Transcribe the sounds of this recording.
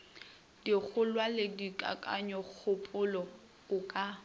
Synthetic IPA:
dik͡xʰʊlwaledikʼa̰kʼa̰ɲɔk͡xʰʊpʼʊlɔ | ʊkʼa

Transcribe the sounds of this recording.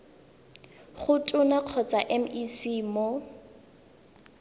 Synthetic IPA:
χʊtʼʊnaq͡χʰɔt͡saʔɛm̩isiːmɔ

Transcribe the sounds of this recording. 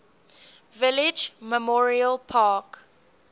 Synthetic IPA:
vɪlɪd͡ʒmɛmɔɹiəlpʰaːk

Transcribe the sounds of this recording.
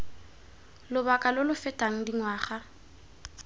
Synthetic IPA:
lʊbakʼalʊlʊfɛtʼaŋ̩diŋwaːχa

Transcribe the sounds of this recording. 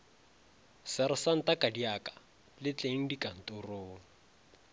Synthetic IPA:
sɛɾɪsan̩tʼakʼadiakʼḁ | lɪt͡ɬʼeŋ̩dikʼan̩tʼʊroːŋ̩

